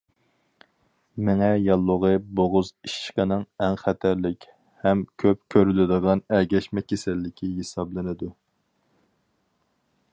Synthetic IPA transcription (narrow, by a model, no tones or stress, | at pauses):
mɪŋɛjɑlˠːʊʁəboʁʊziʃqənɨŋɛŋχæt̪ʰæɾlɪkʲ | hɛmkʲʰøp̚kʲʰøɾylɪd̪əʁɑnɛɡʲɛʃmɛkʲʰesɛlːɪkʲʰiɦesɑblˠɨnɪd̪u